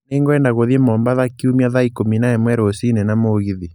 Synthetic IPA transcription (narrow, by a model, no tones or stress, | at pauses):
neŋɡɔɛndaɣoðiemɔːmbaðakiumiaðaikominaɛmwɛɾosinɛnamoɣiði